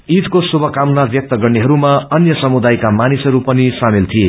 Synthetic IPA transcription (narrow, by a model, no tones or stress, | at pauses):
it̪kosubʱʌkamnabjʌk̚t̪ʌɡʌrneɦʌɾumaʌnjʌsʌmud̪ajkamanisɦʌɾupʌnisamilt̪ʰije